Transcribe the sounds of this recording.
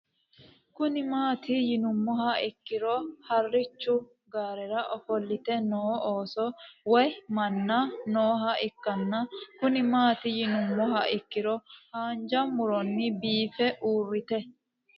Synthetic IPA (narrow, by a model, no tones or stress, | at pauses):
kʊnɪmaːt̪ɪjɪnʊmːɔɦɐɪkːɪɾɔhɐrːɪt͡ʃːʊ | ɡaːɾɛɾɐʔɔfɔlːɪt̪ɛnoːoːsɔwɔjmɐnːɐnoːɦɐɪkːɐnːɐkʊnɪmaːt̪ɪjɪnʊmːɔɦɐɪkːɪɾɔhaːnd͡ʒɐmʊɾɔnːɪbiːfɛʔuːrːɪt̪ɛ